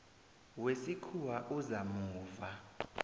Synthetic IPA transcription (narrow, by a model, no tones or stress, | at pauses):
wesikʰuwaʔuzamuːva